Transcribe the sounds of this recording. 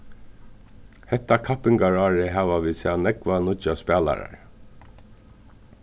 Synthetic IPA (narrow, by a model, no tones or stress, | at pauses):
hɛht̪akʰapɪŋkaɹɑːɹɪɦaːʋaʋiːsanɛkvanʊt͡ʃaspæːla̰ɾa̰ɹ